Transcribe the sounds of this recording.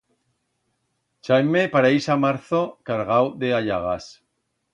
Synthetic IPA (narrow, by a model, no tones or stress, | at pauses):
t͡ʃajmepaɾajsamaɾθokaɾɣawðeaʎaɣ̞as